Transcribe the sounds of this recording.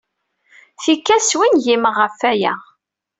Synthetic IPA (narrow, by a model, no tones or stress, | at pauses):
θikːæswinʝimʁəfːæjæ̰